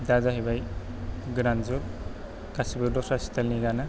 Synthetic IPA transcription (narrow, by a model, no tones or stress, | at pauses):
dazaɦibaj | ɡɾanzuɾ | kasibɯɾdɔsasi̥t̪alniɡana